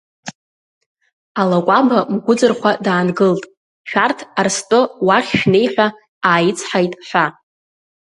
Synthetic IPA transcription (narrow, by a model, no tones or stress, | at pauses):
alakʷʼabamɡʷʊd͡zɨrχʷadaːnɡɨltʼ | ʃᶣartʰarstʼɨwaχʲʃne̞jħʷᶣa | aːjɪt͡sʰħajtʼħʷᶣa